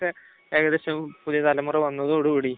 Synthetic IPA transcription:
ɨ | eːɡɐðeɕɐmpuðijɐt̪ɐlɐmurɨʋɐnːɐðɨoɽuuːɽi

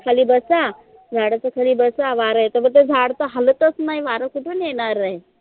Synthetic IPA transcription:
kʰaliːbəsa | d͡zʱaɽat͡səkʰaliːbəsaʋaɾajt̪əbət̪̬ed͡zʱaɽt̪əɦələt̪ət͡snaɦiʋaɾəkuʈʰuːnjeɽ̃aɾaɦe

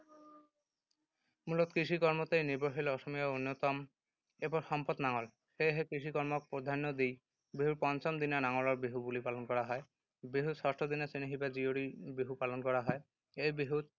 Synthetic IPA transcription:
mulɔt̪kɾiʃ̬ikɔɾmɔt̪ejniɾboɦilɔʃɔmijɔunːɔt̪ɔm | ebɔɾʃɔmpɔt̪naŋɔl | heɦekɾiʃ̬ikɔɾmɔk̚pod̪ʱanːod̪ij | biɦuɾpɔnt͡ɕɔmd̪inanaŋɔlɔɾbiɦubulipalɔnkɔɾaɦɔe | biɦusɔsʈod̪inasiniɦibad͡ʑioɾibiɦupalɔnkɔɾaɦɔe | ejbiɦuɾ

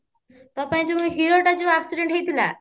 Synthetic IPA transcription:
t̪ʌpaĩt͡sumũɦiɾoʈat͡suapsuɖeɳʈɦejt̪ʰila̰

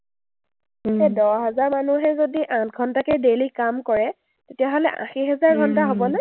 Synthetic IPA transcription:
ɛdɔɦɛzaɹmanuɦɛzodiʔãtɡʱɔntakɛdelikamkɔɹɛ | tetijaɦolɛ̰ʔã̰xiɦɛzaɹɡʱɔntaɦobɔnɛ

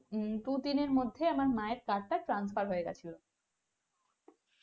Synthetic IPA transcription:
ʈud̪ineɾmod̪ʱːeamaɾmaeɾkaɾ̚ʈaʈɾansfaɾɦoeɡat͡ɕʰilo

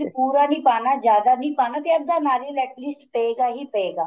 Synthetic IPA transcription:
puːɾaːniːpaːnaːd͡ʒjaːd̪aːniːpaːnãːt̪eːəɡ̚d̪aːnaːɾiːlɛːʈlɪsʈpəeːɡaːɦiːpəeːɡaː

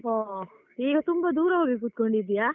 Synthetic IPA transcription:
oː | iːɡɐt̪umbɐd̪uːɾɐʋaːɡik̬uːt̪̚koɳɖid̪ijaː

